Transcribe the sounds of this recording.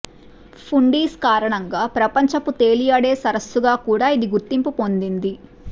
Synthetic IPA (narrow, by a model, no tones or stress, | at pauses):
pʰuɳɖiːskaːɾɐɳɐŋɡaːpɾɐpɐɲt͡ʃɐput̪e̞ːlijɐɽeːsɐɾɐsːuɡaːkuːɽaːid̪iɡuɾt̪impupo̞nd̪ind̪i